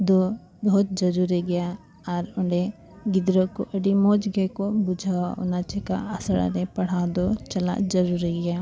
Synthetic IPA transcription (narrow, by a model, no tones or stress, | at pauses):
d̪oː | bɔɦʊt̪̚zɐɾuɾiɡɐja | ɔːɾʊɳɖe | ɡɪd̪ɾõko̰ʔɐɖimoːd͡ʒɡəkobʊd͡ʒʱaaʊ̰nat͡ʃeka̰ɐsəɽa̰nepɐɽ̤aːd̪ot͡ʃɐla̰d͡ʒɐɾuːɾiɡɐjaː